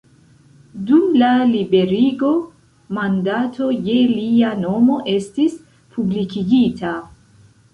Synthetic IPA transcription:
dumlalibe̞ɾiɡo̞ | mandatʰo̞je̞liano̞mo̞ʔe̞stis | pʰublikiɡitʰa

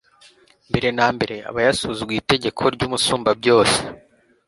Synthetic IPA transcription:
mbe̞ɾe̞naːmbe̞ɾe̞a̰βajasuːzuɡwiːte̞ɟe̞kʰo̞ɾɟuːmusuːmbabɟo̞ːse̥

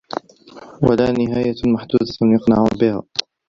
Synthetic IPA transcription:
walaːnɪɦaːjamaħd̪uːd̪anjʊqnaʕuːnbɪha̰ː

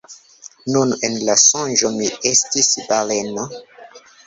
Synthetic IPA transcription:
nunenlasɔ̃nʒomiestisbaleno

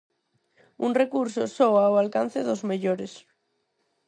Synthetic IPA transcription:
ṵŋrekuɾsosowaoalkan̟θeðozmeʎoɾes

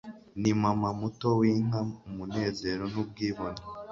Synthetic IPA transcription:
nimamamuto̞wiːŋ̥aumune̞ːze̞ɾo̞nub̚ɡiːβona

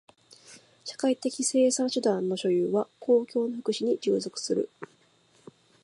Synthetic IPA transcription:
ɕḁkait̪e̞kʲise̞ːsãɰ̃ɕɨd̪ãnːo̞ɕo̞jɯːβakʰo̞ːkʲo̞ːno̞ɸɯ̥kɯ̟ɕiɲ̟id͡ʑɨ̰ːzo̞kɯ̟̥sɨɾɯ̟̰

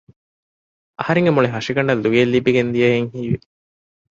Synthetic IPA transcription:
ɐhɐɾeŋɡemuɭeɦɐʂiɡɐɳɖɐlːuʋielːibːiɡend̪ijɐjeŋhiːʋe

